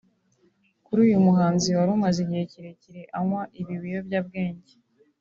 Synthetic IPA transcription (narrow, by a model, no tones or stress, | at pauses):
kuɾuːjumuɦaːnziwaɾumazeɟiheciɾe̞ciɾe̞ʔaŋwaʔiβiwijo̞bɟaːb̚ɡeːɲɟe